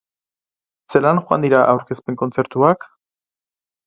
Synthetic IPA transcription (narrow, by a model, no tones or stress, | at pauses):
se̞lanʝoa̰nd̪iɾaʔawɾke̞spe̞ŋko̞nt͡se̞ɾt̪uak